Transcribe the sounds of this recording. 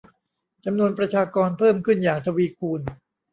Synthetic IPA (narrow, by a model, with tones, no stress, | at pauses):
t͡ɕa˧mnu˧ənp̬ɾa˧t͡ɕʰaː˧kɔː˧npʰɤː˥˩mkʰɯ˥˩njaː˨˩ŋ̚t̪ʰa˧wiː˧kʰuː˧n